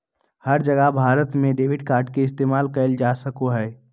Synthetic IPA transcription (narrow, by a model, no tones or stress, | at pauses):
həɾd͡ʒəɡəɦbʱaːɾət̪mẽɖeːʋɪɖkaːɾɖkeɪst̪eːmaːlkəɪld͡ʒasəkoɦɛɪ